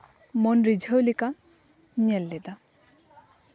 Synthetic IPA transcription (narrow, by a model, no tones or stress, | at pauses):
monɾid͡ʒʱəwlika | ɲɛlːɛd̪a